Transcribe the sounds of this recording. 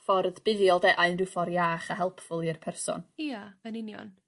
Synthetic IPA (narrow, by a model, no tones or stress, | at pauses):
fɔrðb̥ɪðjɔlˠdɛʔaɨnrɨfɔɾjaːχaɦɛlˠpʰfʊlˠirpʰɛrsɔ̰niaənɪnjɔ̰n